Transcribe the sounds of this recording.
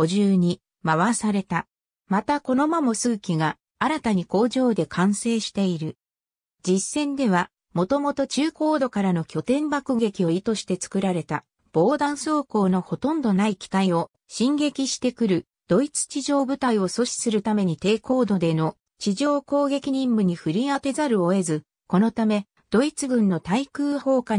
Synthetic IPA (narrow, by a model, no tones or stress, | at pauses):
o̞ʑɨːɲ̟i | maβasaɾe̞t̪a | mat̪ako̞no̞mamo̞sɨːkʲiɡa | aɾat̪aɲ̟iko̞ːʑo̞ːd̪e̞kʰãɰ̃se̞ːɕi̥t̪e̞iɾɯ̟ | d͡ʑisːẽ̞nd̪e̞β̞a | mo̞t̪o̞mo̞t̪o̞t͡ɕɨːko̞ːd̪o̞kaɾano̞kʲo̞t̪ẽ̞mbakɯ̟ɡe̞kʲio̞it̪o̞ɕi̥t̪e̞t͡sɨ̥kɯ̟ɾaɾe̞t̪a | b̥o̞ːd̪ãɰ̃so̞ːko̞ːno̞ho̞t̪õ̞nd̪o̞naikʲi̥t̪aio̞ | ɕĩŋɡe̞kʲiɕi̥t̪e̞kɯ̟ɾɯ̟ | d̪̥o̞it͡sɨ̥t͡ɕiʑo̞ːbɯ̟t̪aio̞so̞ɕi̥sɨɾɯ̟t̪ame̞ɲ̟it̪e̞ːko̞ːd̪o̞d̪e̞no̞ | t͡ɕiʑo̞ːko̞ːɡe̞kʲiɲ̟ĩmbɯ̟ɲ̟iɸɯɾʲiat̪e̞zaɾɯ̟oe̞zɨ | ko̞no̞t̪ame̞ | d̪̥o̞it͡sɨɡɯ̟̃nːo̞t̪aikɯ̟ːho̞ːka